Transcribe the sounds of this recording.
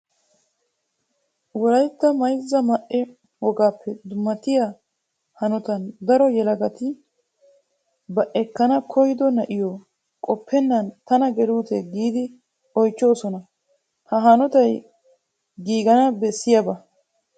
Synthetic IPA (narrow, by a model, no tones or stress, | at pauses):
wɔlɐjt̪ːɐmɐjzːɐmɐʔɛ | wɔɡaːpːɛd̪ʊmːɐt̪ɪja | hɐnɔt̪ɐnd̪ɐɾɔjɛlɐɡɐt̪ɪ | bɐʔɛkːɐnɐkʰɔjd̪ɔnɐʔɪjoː | kʼɔpʰːɛnːɐnt̪ɐnɐɡɛluːt̪ɛɡiːd̪ɪ | ɔjt͡ʃːo̞ːsɔnɐ | hɐɦɐnɔt̪ɐj | ɡiːɡɐnɐbɛsːɪjɐbɐ